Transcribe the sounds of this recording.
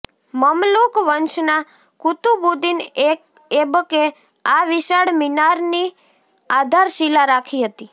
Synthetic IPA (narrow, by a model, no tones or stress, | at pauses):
məmlukʋənt͡ʃna | kut̪ubud̪inek | ebke | aʋiʃaɽminaɾni | ad̪ʱaɾʃilaɾakʰiɦət̪i